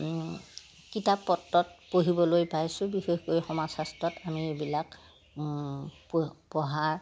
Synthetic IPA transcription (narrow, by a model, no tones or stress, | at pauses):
kitapːɔtːɔt̚poɦibɔlojpajsʊ̃bixexkojxɔmasastɹɔtamiebilak | pɔɦaɹ